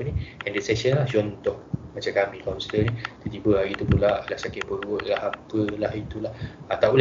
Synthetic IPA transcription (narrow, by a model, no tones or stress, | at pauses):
niandɛʔsɛksənlaht͡ʃɔnt̪ɔhmat͡ʃakamĩkanst̪ənĩt̪ut̪ibəaɡit̪upulaʔlahsakɪʔpəɾʊʔ̪̚lahapəlahit̪ulahat̪aʔul